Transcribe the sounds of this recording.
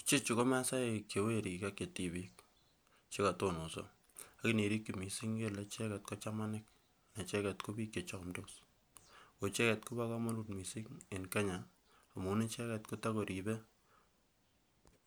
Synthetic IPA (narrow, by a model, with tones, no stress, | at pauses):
t͡ʃe˦t͡ʃu˨ko˦ma˦sa˦e˨kːe˨we˦ɾi˨ka˦kːe˨ti˨bi˦k̚ | t͡ʃe˦ka˨to˦no˨so̰˨ | a˨kɪ˦ni˨ɾi˦kːi˨mi˨si˦ŋɡe˦le˨˦t͡ʃɛ˦kɛ˨t̚kɔ˦t͡ʃa˦ma˦nɪ˦k̚ | na˨t͡ʃɛ˦kɛ˨tko˦bi˦kːe˨t͡ʃɔ˨mdo˦s | ko˨t͡ʃɛ˦kɛ˨tku˦ba˦ka˦ma˦lu˨t̚mi˨si˦ŋe˨nka˦ɲa˨ | a˨mu˨˦ne˦t͡ʃɛ˦kɛ˨tko˦ta˦ko˨ɾi˨bɛ˦